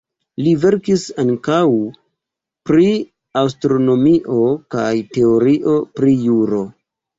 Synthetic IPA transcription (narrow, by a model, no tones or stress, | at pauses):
live̞ɾkisaŋkaw | pɾi | awstɾo̞no̞miʔo̞kajte̞oɾiʔo̞pɾijuɾo̞